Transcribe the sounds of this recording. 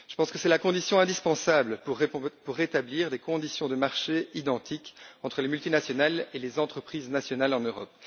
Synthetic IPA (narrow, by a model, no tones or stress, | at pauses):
ʒ̥ə̥pɑ̃skəsɛlakɔ̃d̪isjɔ̃ɛ̃d̪ispɑ̃sabləpupuʁːet̪abliːʁd̪ekɔ̃d̪isjɔ̃d̪əmaʁʃeid̪ɑ̃t̪ikɑ̃t̪χəlemylt̪inasjɔnalelezɑ̃t̪χəpχiːznasjɔnalɑ̃nøʁɔ̰p̚